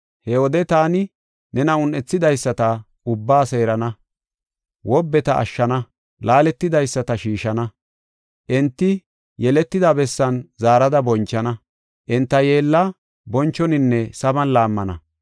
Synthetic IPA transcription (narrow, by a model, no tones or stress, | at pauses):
hɛwɔd̪ɛt̪aːnɪ | nɛnɐʊnʔɛt͡sːɪd̪ɐjsːɐt̪ɐ | ʊbːaːse̞ːɾɐnɐ | wɔbːɛt̪ɐʔɐ̰ʃːɐnɐ | laːlɛt̪ːɪd̪ɐjsːɐt̪ɐʃiːʃɐnɐ | ʔɛnt̪ːɪ | jɛlɛt̪ːɪd̪abɛsːɐnzaːɾɐd̪ɐbɔnt͡ʃːɐnɐ | ʔɛnt̪ːɐjeːlːɐ | bɔnt͡ʃːɔnɪnːɛsɐbɐnlaːmːɐnɐ̰